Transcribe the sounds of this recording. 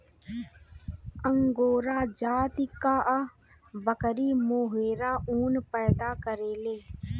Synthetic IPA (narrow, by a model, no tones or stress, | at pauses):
əŋɡoːɾaːd͡ʒaːt̪ɪkːaːʔ | bəkəɾiːmoːɦeːɾaːʔuːnpɛːd̪aːkəɾeːleː